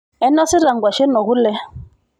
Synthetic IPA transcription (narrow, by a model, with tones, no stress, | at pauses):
ɛ˦nɔ˦si˦ɾa˨ŋ˨ɡwa˨ʃɛ˦nɔ˨ɣu˦lɛ˦